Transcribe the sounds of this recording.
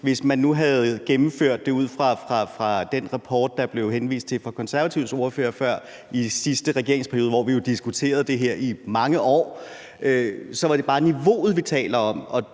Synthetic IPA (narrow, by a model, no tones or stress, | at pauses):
ʋe̝smænːuɦæð̩ˠɡ̥emm̩føɐ̰d̥ːe̝uð̞̰ˠfʁɑ̈fʁɑ̈fʁɑ̈d̥en̰ʁɑpʰɒːd̥̚ːɑ̈b̥le̝ʊɦenʋḭːsd̥̚t͡sʰe̝lfɒ̽kʰɒ̽nsæɐæt͡sʰiʊ̰so̝ɐføːɐfɶɐ̰ | isisd̥əʁɛɡ̥e̝ɐ̰e̝ŋspʰæɐijo̝ːðˠʋɒ̰ʋijo̝d̥isɡ̥ut͡sʰe̝̰ːɐð̞̩ˠd̥e̝ɦeɐ̰imɑ̈ŋəʔɒ̰ː | øsɒ̽ʋɑ̈ɾ̥e̝b̥ɑ̈ːniʋo̝̰ːð̩ˠʋit͡sʰɛ̰ːlɐɒ̽m̰ɒ̽